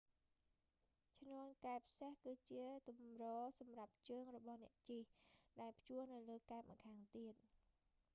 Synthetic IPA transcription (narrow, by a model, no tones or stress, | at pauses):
t͡ɕʰnoənkaɛpʰsehkɨːt͡ɕiət̪umrɔːsɑmrap̚t͡ɕəːŋrɔɓɑhnɛ̆əʔt͡ɕihɗaɛlpʰjuəhnɨwləːkaɛp̚mʔə̰kʰaːŋt̪iət̪̚